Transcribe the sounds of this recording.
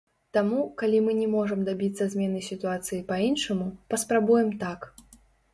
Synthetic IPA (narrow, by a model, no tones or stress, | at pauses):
t̪amukalʲimɨnʲɛmɔʐɐmd̪abʲit̪sɐzʲmʲɛnɨsʲit̪uat̪sɨjipɐinʂɐmupɐspɾabujɛmt̪ak